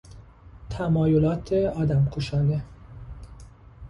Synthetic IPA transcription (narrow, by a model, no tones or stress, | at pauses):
t̪ʰæmɒːjolɒːt̪ʰeɒːd̪æmkʰoʃɒːne